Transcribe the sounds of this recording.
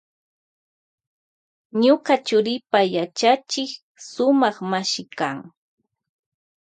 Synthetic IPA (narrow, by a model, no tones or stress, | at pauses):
ɲʊkat͡ʃʊɾɪpajat͡ʃat͡ʃɪk | sʊmɑχmaʃɪkaŋ